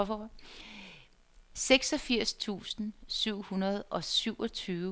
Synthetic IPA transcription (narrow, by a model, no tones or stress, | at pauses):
ɒfɒ | seɡ̥sɒ̽fiɐ̰st͡sʰṵːsn̩syʊ̰hunɐð̞ˠʔɒ̽syʊ̰ʔɒt͡sʰyː